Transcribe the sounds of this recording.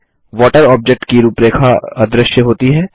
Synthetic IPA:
ʋɔːʈəɾɔːb̚d͡ʒek̚ʈkiɾuːpɾeːkʰaɐd̪ɾəʃjəɦoːt̪iɦɛː

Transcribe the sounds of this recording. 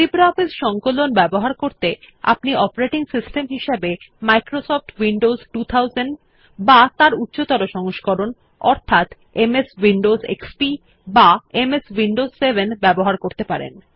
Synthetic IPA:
sipɾɔfisʃɔŋkolonbɛboɦaɾkoɾt̪e | a̰pniɔpaɾeʈiŋsisʈemɦiʃebemajkɾosɔf̚ʈwiɳɖozʈut̪ʰawzenɖ | bat̪aɾut̪ːɕot̪ɔɾoʃɔŋoʃkɔɾon | ɔ̰ɾt̪ʰat̪ | emeswiɳɖozḛkspi | baemeswiɳɖozsebʱenbɛboɦaɾkoɾt̪epaɾḛn

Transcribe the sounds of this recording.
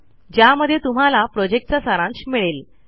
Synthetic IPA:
d͡ʑjaməd̪ʱːjet̪um̤alapɾɔd͡ʑek̚ʈ̚t͡sasaɾãnt͡ɕmiɭel

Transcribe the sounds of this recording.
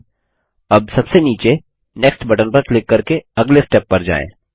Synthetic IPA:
ɐb̚sɐbseniːt͡ʃe | nɛksʈbɐʈənpɐɾklɪkːɐɾkeɐɡlesʈɛːpːɐɾd͡ʒa̰ːḛ̃ː

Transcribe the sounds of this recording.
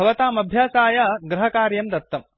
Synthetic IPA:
ɐʋɐt̪aːmɐbʱjaːsaːjɐɡɾɐɦɐkaːɾjɐmd̪ɐt̪ːɐm

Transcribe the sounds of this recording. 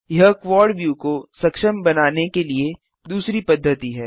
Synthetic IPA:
jɐɦkʋɔːɾɖʋjuːkosɐkʃəmbɐnaːnekelie | d̪uːsɾipɐd̪ʱːət̪iɦɛː

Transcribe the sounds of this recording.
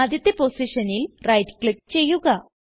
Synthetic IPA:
aːd̪jɐt̪ːeposiʂɐnilrɐjdkɭip̚t͡ɕe̞jːuɣɐ

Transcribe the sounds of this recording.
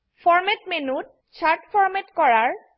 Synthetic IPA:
fʰɔɹmɛtmenut̚ | t͡ʃʰaɹtpʰɔɹmɛtkɔɹaɹ

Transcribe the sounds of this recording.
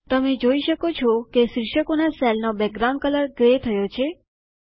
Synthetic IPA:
t̪əmed͡ʒoiʃəkot͡ʃʰɔkeʃɾɪʂəkonasɛlnobɛk̚ɡɾaw̃ɳɖ̚kələɾɡɾet̪ʰəjot͡ʃʰe

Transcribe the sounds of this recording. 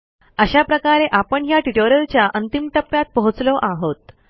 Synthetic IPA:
əɕapɾəkaɾeʔapəɳjaʈiʈoɾəlt͡ɕjaʔənt̪imʈ̪əpːjat̪̚pəɦut͡slɔʔaɦot̪

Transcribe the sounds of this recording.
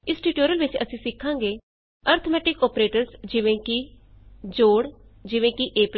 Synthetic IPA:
ɪsʈiːʈoːɾəlʋɪt͡ʃə̰sĩːsɪkʰːãːŋɡeː | əːɾt̪ʰəmɛːʈɪkɔːpɾeːʈəɾsd͡ʒɪʋẽːki | d͡ʒoːɽd͡ʒɪʋẽːkiʔeːp

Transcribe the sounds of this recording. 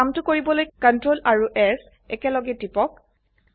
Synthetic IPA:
amtʊkoɹibɔlojkɔntɹolʔaɹuʔɛs | ɛkɛlɔɡɛtipɔk̚

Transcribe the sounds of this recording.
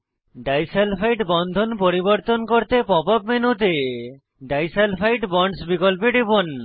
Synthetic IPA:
ɖajselpʰajʈbɔnd̪ʱonpoɾibɔɾt̪onkoɾt̪epɔpap̚menut̪̬e | ɖajselpʰajʈbɔɳɖsbikɔlpeɖibon

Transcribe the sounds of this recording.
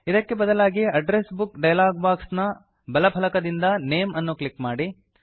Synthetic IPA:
id̪ɐkːe̞bɐd̪ɐlaːɡiɐɖɾesbukɖɐjlaːɡbaːksnɐ | bɐlɐpʰɐlɐkɐd̪ind̪ɐneːmɐnːuklikmaːɽi

